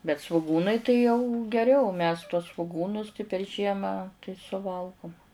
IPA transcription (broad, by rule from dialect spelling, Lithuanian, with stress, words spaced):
bʲɛt sʋʊˈɡuːnɐɪ tɐɪ jɛʊ ɡʲɛˈrʲɛʊ mʲɛs tuɔs sʋoːˈɡuːnʊs pʲɛr ˈʒʲiɛmɑː tɐɪ sʊˈʋɐlˠɡʊm